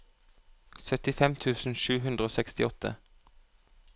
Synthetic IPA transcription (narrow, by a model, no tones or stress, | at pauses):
sœt̪ɪfɛmt̪ʰʉːsn̩ʃʉːɦʉnd̪ʁəoːsɛkst̪ɪɔt̪ʰə̰